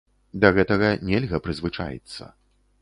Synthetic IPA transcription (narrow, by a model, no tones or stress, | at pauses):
d̪ɐɣɛt̪ɐɣɐnʲɛlʲɣɐpɾɨzvɨt͡ʂa̰jɛ̰t̪sːɐ̰